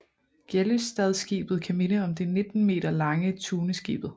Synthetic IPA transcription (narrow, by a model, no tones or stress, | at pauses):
ɡ̥elysd̥ɛðˠsɡ̥ḭːb̥ð̩ˠkʰæme̝nəɒ̽md̥e̝ne̝d̥n̩me̝̰ːd̥ɐlɑ̈ŋət͡sʰuːnəsɡ̥ḭːb̥ð̞̩ˠ